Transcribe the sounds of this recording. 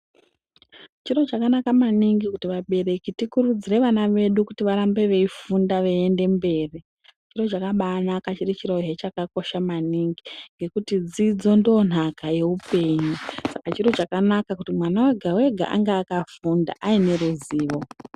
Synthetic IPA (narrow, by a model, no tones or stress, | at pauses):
t͡ʃiro̞t͡ʃakanakamaniŋɡikutiʋaɓe̞re̞kitikurud͡zire̞ʋanaʋe̞ɗukutiʋaɾambe̞ʋe̞ifundaʋeende̞mbe̞ːri | t͡ʃiro̞t͡ʃakaɓaːnakat͡ʃirit͡ʃiroɦet͡ʃakako̞ʃamaniŋɡiŋɡe̞kutid͡zid͡zo̞ndo̞n̤akaje̞upe̞ɲusakat͡ʃiro̞t͡ʃakanakakutimwanaweɡʱawe̞ɡʱa̰ʔa̰ŋɡaːkafunda̰ʔaine̞ɾuziːʋo̞